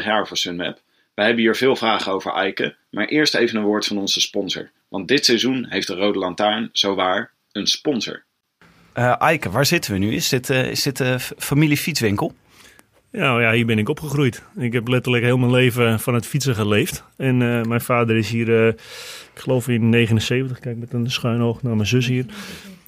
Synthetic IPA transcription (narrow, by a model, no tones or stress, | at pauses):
χjaːɹvʊːɹsənmɛ̰p | ʋəjɦɛbəɦiːɹvɪːlˠvraːχənowvə̰ɹʔɛ̰jkə̰ | maːɹʔɪːɹstejvənənʋoːɹtfɑnɔnzəspɔnzə̰ɹ | ʋɑnt̚dɪtsɛjzunɦejftdərowdəlɑntaɹnz̥owʋaːɹ | ənspɔnzə̰ɹ | ʔəʔajkəʋaːɹzɪtəʋənyɪ̰sɪtɪ̰sdɪtəfamilifit͡sʋɪŋkəlˠ | nawjaɦiːəbɪnɪkopχəχrujtɪkɦɛplɛtərləkɦɪːlˠmənleːvəfɔnətfisəχəleːftɛnəmɛjnfaːdərɪsɦiːr | ɪkχəlowfɪnːeːχənənseːvəntəχkɛjk̚mɛtənəsχœɥnoxnaːmɛnzøs̬ɦiər